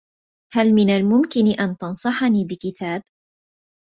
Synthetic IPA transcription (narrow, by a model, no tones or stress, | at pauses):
halmɪnalmʊmkɪnʔant̪ɑnsˤɑħɑniːbɪkɪt̪aːb